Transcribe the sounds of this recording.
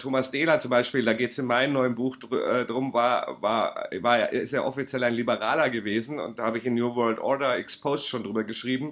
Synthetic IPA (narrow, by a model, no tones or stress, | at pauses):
tʰoːmasd̥eːlɐt͡sʊmbaɪʃpiːldaːɡeːtsɪnmaɪnənɔʏənbuːxd̥ɛdʁʊmvaːɐva̰ːɐvaːɐ̰ʔɪɪstaːʔɔfit͡sjɛlaɪnlibəʁaːlɐɡəveːzn̩ʊ̰ntd̥aːhaːbəɪçɪnːjuːvœːɐltʔɔɐdɐɛkspʰoːstʃoːndʁyːbɐɡəʃʁ̥iːbm̩